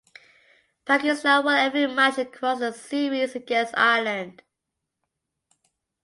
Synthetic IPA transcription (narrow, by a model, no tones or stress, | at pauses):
pʰakɪstawɛlɛvɹimat͡ʃəkʰɹ̥ɔsðəsiɹizəɡɛ̃sta̰ɪələ̃nd̥